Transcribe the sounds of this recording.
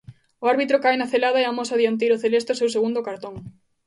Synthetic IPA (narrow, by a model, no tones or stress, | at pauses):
oaɾβit̪ɾokajnaθelaðɐɛamosaðiant̪̬ejɾoθelest̪osewseɣund̪okaɾt̪oŋ